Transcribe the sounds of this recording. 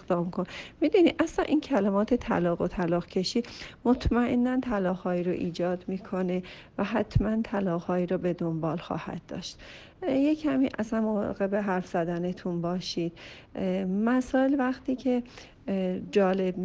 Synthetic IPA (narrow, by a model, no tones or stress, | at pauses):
ɣd̪ɒːmkʰonmid̪unid̪ʔæslænʔincʰælæmɒːt̪ʰet̪ʰæ̰lɒːɣot̪ʰælɒːɣcʰe̞ʃiːd̪mo̞t̪ʰmæʔenːænt̪ʰælɒːɣhɒːiːɾoʔiːd͡ʒɒːd̪miːkʰo̞ne̞ | væɦæt̪ʰmænt̪ʰælɒːɣhɒːiːɾobe̞d̪ombɒːlxɒ̰ːhæ̰d̪̥̚ːɒ̰ːʃt̪ | jecʰæmiːʔæ̰sænmovɒ̰ɣe̞beɦæɾfz̥æd̪æne̞t̪ʰunbɒːʃiːd̪̥̚ | mæsɒːelvæxt̪iːcʰe̞ | d͡ʒɒːle̞b